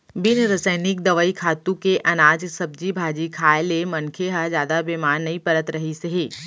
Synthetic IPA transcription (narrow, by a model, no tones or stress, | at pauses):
bɪnɾɐsəɪnɪk̚d̪ɐʋəːikʰaːt̪ũkeʔɐnaːd͡ʒsɐb̚d͡ʒibʱaːd͡ʒikʰaːelemɐ̃nkʰeɦazjaːd̪abeːmaːɾnːɐipɐɾət̪ɾɐɦiseɦeː